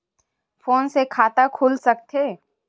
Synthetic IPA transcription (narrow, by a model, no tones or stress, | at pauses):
foːnsekʰaːt̪akʰʊlsɐk̚t̪ʰeː